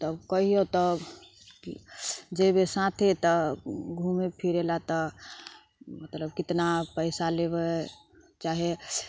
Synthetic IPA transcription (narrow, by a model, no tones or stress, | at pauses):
t̪əbkəɦiot̪ɔ | id͡ʒebesãt̪ʰet̪ɔɡʱumepʰiɾelat̪ɔ | mət̪ləbkɪt̪napəɪsalebe | t͡ʃaɦe